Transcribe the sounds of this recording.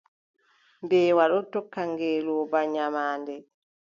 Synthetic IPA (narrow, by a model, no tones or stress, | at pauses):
mbɛːwaɗɔtɔkːaŋɡɛːlɔːbaɲamaːndɛ